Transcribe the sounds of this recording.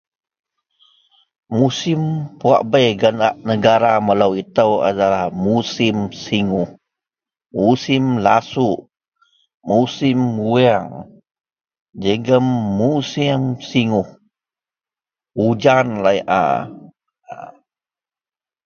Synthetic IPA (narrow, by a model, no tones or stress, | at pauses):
musimpua̰ʔbəjɡanaʔnəɡaɾamələwit̪əwa̰dalahmusimsiŋuh | musimlasuʔ | musimuɛŋ | d͡ʒəɡəmːusiŋsiŋuh | ud͡ʒanlaiʔa̰